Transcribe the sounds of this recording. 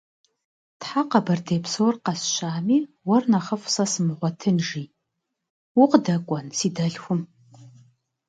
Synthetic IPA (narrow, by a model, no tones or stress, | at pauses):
tħaqɐbɐrdejpsorqɐsʃaːmiː | wɐrnɐχəfsɐsɨmɨʁʷɔtʰɨnʐi | wʊqdɐkʷʼɔnsiːdɐɮxʷʊm